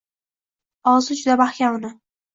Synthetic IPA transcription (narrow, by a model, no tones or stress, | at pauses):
ɒzɪd͡ʒʊd̪abaχkʲaʊnɪ